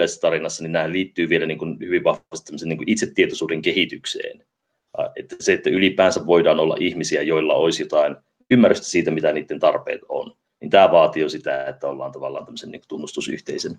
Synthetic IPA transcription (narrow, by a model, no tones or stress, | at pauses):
æisesːɑt̪ɑɾinɑsːɑninæːhælliːt̪ːyːʋielæniːŋkunhyʋiʋʋɑhʋɑst̪t̪æmːseniːŋkuʔit̪set̪ːiet̪osuːdeŋkehit̪yksḛːn | et̪ːæseet̪ːæylipæːnsæʋʋoidɑːnolːɑ̰ʔihmisiæjoilːɑ̰oisjot̪ɑin | ymːærːyst̪æ̥siːt̪æmit̪æniːt̪ːent̪ɑrpḛːt̪o̰n | nint̪æːʋɑːt̪iosit̪æet̪ːæolːɑːnt̪ɑʋɑlːɑ̰ːnt̪æmːø̥senḭŋku̥t̪unːust̪usy̰ht̪eisen